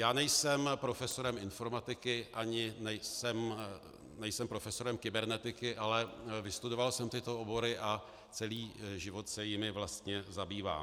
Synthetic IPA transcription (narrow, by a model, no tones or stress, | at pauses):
jaːnɛjsɛmpɾo̞fɛso̞ɾɛmɪnfo̞ɾmat̪ɪkɪʔaɲɪnɛjsɛm | nɛjsɛmpɾo̞fɛso̞ɾɛmkɪbɛɾnɛt̪ɪkɪʔalɛvɪst̪udo̞valsɛmt̪ɪt̪oobo̞ɾɪʔa | t͡sɛliːʒɪvo̞t̪sɛjɪmɪvlast̪ɲɛzabiːva̰ː